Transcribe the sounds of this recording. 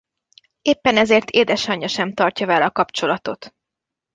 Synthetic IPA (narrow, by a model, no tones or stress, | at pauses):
eːpːɛnɛzeːrt̪ʰeːd̪ɛʃɒɲːɒʃɛmt̪ɒrcɒvɛlɒkɒpt͡ʃo̞lɒt̪o̞t̪